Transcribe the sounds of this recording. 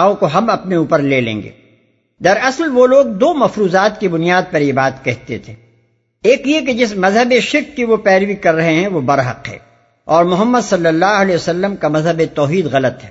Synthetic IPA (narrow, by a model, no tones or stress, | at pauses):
õkoɦɐmɐpneuːpəɾleːlḛ̃ːŋɡḛː | d̪ɐɾɐslʋoloːɡ̚d̪oːmɐfɾuːzaːt̪kibʊnijaːd̪̚pɐɾjebaːt̪kɛɦt̪et̪ʰeː | eːkjek̬ed͡ʒɪsmɐzɦəbeʃɪɾkːiʋopɛːɾʋikɐɾːɐɦeɦɛ̃ʋobɐɾɦɐ̰qɦɛ̰̃ː | ɔːɾmʊɦəmːəd̪sɐlːəlːaːɦɐlɛːosɐlːəmkamɐzɦəbet̪ɔːɦiːd̪ɣɐlət̪ɦɛː